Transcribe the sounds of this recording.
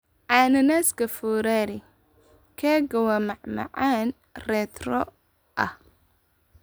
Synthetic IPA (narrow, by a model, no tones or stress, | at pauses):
ʕɑːnɐnaːskʰɐfɔːɾaːɾɪ | kʰɛːɡɐwɐmɑʕmɑ̰ʕaːn | rɛːt̪rɔ | ʔɐ̰h